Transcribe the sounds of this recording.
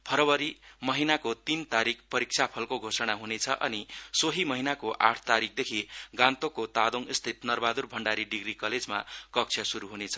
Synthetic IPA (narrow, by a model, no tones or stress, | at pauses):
pʰʌɾʌwʌɾimʌɦinakot̪int̪aɾikʰpʌɾik̚sʰapʰʌlkoɡʱosʌɽ̃aɦunet͡sʰʌʔʌ̰nisoɦimʌɦinakoʔa̰ʈʰt̪aɾik̚ʰd̪ekʰiɡãnt̪okot̪ad̪oŋist̪ʰit̪nʌrbad̪urbʱʌɳɖaɾiɖiɡrikʌled͡zma̰kʌk̚t͡sʰjʌsuɾuɦunet͡sʰʌ̥